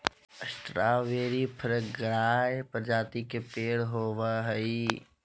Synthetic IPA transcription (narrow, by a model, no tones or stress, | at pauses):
əst̪ɾaːʋeːɾipʰəɾɡəɽaːepəɾd͡ʒaːt̪ikepeːɽɦoːʋaɦɐi